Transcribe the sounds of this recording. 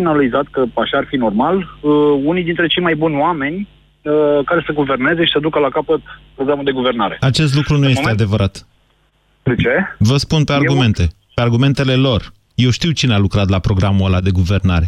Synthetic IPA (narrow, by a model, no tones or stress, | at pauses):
inaalizat̪kəaʃaːrfino̞rmaləunijd̪int̪ɾe̞t͡ʃejmajbunʲoame̞nʲ | əkaɾe̞səɡuve̞rne̞ze̞ʃi̥səd̪ukəlakapət̪pɾo̞ɡɾamuld̪e̞ɡuve̞rnaɾe̞̰at͡ʃe̞st̪lukɾunuje̞stt̪ead̪e̞vəɾʔat̪ | d̪et͡ʃe̞vəspunpe̞arɡume̞nt̪e̞ | pearɡume̞nt̪e̞le̞lo̞r | je̞wʃt̪iwt͡ʃinealukɾat̪lapɾo̞ɡɾamuəlad̪e̞ɡuve̞rnaɾe̞